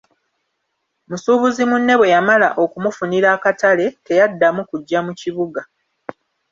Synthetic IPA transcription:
musuβuzimunːe̞βwe̞jamala̰ʔo̞kumufuniɾaːkatale̞te̞jadːamukuɟːamuciβuɡa

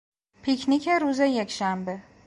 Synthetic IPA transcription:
pʰicʰnicʰeɾuːze̞je̞cʃæmbe̞

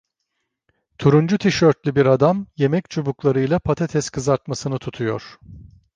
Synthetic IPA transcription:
t̪ʰuɾund͡ʒut̪ʰiʃøɾt̪lʲybiɾad̪amje̞mɛct͡ʃʰubuklˠaɾɯjlˠapʰat̪ʰat̪ʰɛskʰɯzaɾt̪masɯnɯt̪ʰut̪ʰujo̞̰ɾ̥

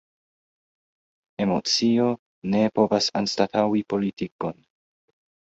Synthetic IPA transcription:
e̞mo̞̰t͡sio̞ | ne̞po̞vasa̰nstatʰawipo̞litiko̞n

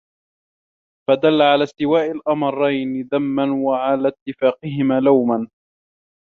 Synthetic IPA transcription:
fad̪alːaʕalaːst̪ɪwaːʔɪlʔɑmɑɾˤːɑjnɪðamːanwaʕalaːt̪ːɪfaːqɪɦɪmaːlawman

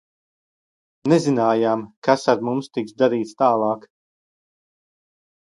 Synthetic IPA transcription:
nɛzinaːjaːmkasaɾmumst̪iksd̪aɾiːt̪st̪aːlˠɑːk

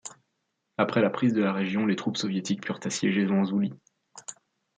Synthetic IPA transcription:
apχɛlapχizd̪əlaʁeʒjɔ̃let̪χupsɔvjet̪ik̚pyʁt̪asjɛʒevɑ̃zuli

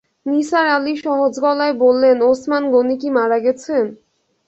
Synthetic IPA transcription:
niʃaɾaliʃɔɦod͡ʑɡɔlaebolːenosmanɡonik̬imaɾaɡɛt͡ɕʰen

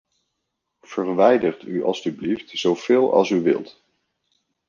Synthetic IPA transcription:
v̥əɹʋɛjdərtyʔɑ̰lˠsybliftz̥owv̥ɪːlˠɑ̰lˠsyʋɪ̰lˠt

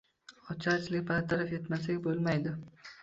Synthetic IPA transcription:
ɒt͡ʃʰat͡ʃlɪkʲbaɾt̪ʰaɾafet̪masɪkʲbolmajd̪ɪ

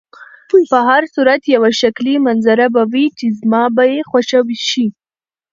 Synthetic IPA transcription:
pəɦaɾsuɾat̪jawaʃaklimanzaɾabawit͡ʃezmɑbajexwaʃəwiʃi

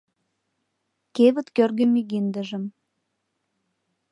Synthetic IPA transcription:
keβə̆t̪kørɣəmiɣind̪əʒə̆m

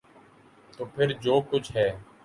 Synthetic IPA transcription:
t̪oːpʰɪɾd͡ʒoːkʊt͡ʃʰɦɛː

